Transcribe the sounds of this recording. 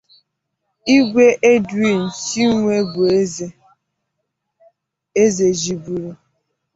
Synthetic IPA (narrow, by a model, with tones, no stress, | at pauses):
i˦ɡʷe˦ʔe˦di˦˨n̩˨si˦ŋʷe˦ɡu˨e˦ | e˦ze˨d͡ʒi˨bu˨ɾu˦